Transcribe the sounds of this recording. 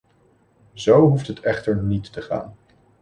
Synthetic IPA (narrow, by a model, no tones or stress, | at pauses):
zowɦuftɦətɛχtəɹnitːəχa̰ːn